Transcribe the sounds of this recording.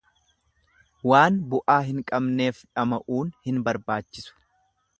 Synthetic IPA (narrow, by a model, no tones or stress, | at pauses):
waːnbʊʔaːɦɪŋkʼɐbne̞ːfᶑɐmɐʔuːnhɪnbɐɾbaːt͡ʃːɪsʊ̥